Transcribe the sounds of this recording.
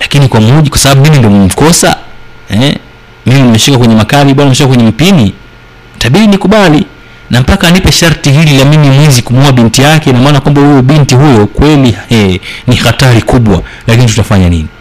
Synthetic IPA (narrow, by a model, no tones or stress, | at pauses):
lakinikwamuʄikwasaɓaɓumimindɔmm̩kɔsa̰hɛ | miminmɛʃikakwɛɲɛmakaviɓanaumɛʃikakwɛɲɛm̩pini | taɓiːnikuɓali | nam̩pakaːnipɛʃaɾtiɦililamimimwɛzikumɔaɓintijakɛnamaːnakwambahujɔɓintihujɔkwɛliɛnixataɾikuɓwa̰ | lakinitutafaɲanini